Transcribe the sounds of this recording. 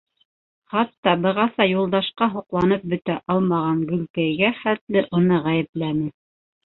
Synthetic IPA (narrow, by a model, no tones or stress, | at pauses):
χɑt̪ːɑbɤ̆ʁɑsɑjulˠd̪ɑʃqɑɦŏqlˠɑnɤp̚bɵ̆t̪æʔɑlˠmɑʁɑŋɡɵ̆lkæjɡæχæt̪lɘʔunɤʁæjɘ̆plænɘ